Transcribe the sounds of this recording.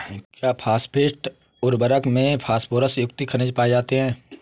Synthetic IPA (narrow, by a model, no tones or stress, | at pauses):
kjaːpʰaːspʰeːsʈ | ʊɾbəɾəkmẽpʰaːspʰoːɾəsjʊk̚t̪ikʰɐnɪ̃d͡ʒpaːed͡ʒaːt̪eɦɛ̃ː